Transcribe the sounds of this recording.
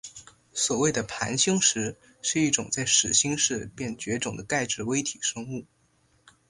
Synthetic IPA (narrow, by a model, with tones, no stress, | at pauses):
swɔ˨˩we˥˩ɪd̪ə˩pʰa̰˧˥nɕi˥ŋʂɻ̩˧˥ | ʂɻ̩˥˧i˥˩ʈ͡ʂʊ˨˩ŋt͡sa˥˩ɪʂɻ̩˨˩ɕi˥ŋʂɻ̩˥˧pjɛ˥˩nt͡ɕɥɛ˧˥ʈ͡ʂʊ˨˩ŋd̪ə˦ka˥˧ɪʈ͡ʂɻ̩˥˩we˥ɪt̪ʰi˨˩ʂɤ˥ŋu˥˩